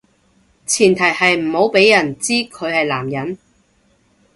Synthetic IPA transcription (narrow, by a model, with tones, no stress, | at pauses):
t͡sʰiː˨˩nt̪ʰɐ˨˩jhɐ˨jm̩˨˩ho˨˧˥wpe˨˥jːɐ˨˩nt͡siː˥kʰɵ˨˧ɥhɐ˨jlaː˨˩mjɐ˨˥n